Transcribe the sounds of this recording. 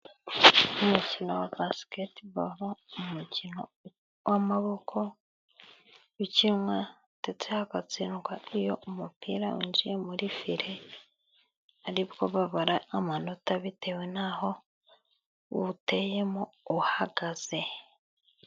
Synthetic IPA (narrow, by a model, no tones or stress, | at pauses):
omucino̞wabasi̥ketiβa̰βaumucino̞ | wʔamaβo̞kʰo̞ | βiciɾwa | tet͡sehakat͡sinɡaijo̞umupiːɾauɲd͡ʒijemuɾifiɾe | aɾiβɡo̞βaβaɾaːmano̞taβitʰe̞wenaho | uβtejemouhaɡaz̥e̞